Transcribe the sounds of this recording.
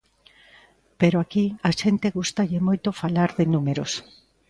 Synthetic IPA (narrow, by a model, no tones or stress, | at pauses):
peɾoakiaʃent̪eɣust̪aʎɪmojt̪ofalaɾðɪnumeɾos